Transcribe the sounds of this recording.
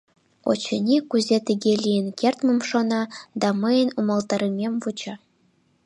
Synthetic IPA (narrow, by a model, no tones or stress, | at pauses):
o̰t͡ɕɘ̆nʲikuzʲet̪ʲɘ̆ɡʲelʲijɘ̆nʲkʲerʲt̪mɤmʂonɑd̪ɑmɤ̆jə̆numɤ̆lˠt̪ɑɾʲĭmʲemʲvut͡ɕɑ̆